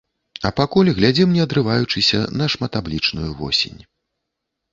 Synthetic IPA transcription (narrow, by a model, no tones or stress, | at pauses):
ɐpakulʲɣlʲad͡zʲɛmnʲɛɐd̪ɾɨvajut͡ʂɨsʲɐ̰nɐʂmat̪ablʲit͡ʂnujuvɔ̰sʲḛnʲ